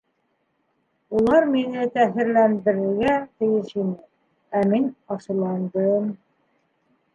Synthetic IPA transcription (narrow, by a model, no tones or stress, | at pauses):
ulˠɑɾminɘt̪æɦɘ̆ɾlænd̪ɘ̆ɾɘ̆ɾɡæt̪ɘ̆jɘʃinɘ | æminɑʃɤ̆lˠɑnd̪ɤm